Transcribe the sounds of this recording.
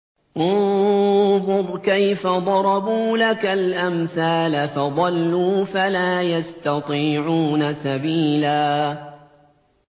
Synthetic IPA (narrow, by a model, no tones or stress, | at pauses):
ʔʊ | fʊðˤkajfad̪ˤɑɾˤɑbuːlakalʔamθaːlafɑd̪ˤɑlːuːfalaːjast̪ɑt̪ˤiːʕuːnasabiːlaː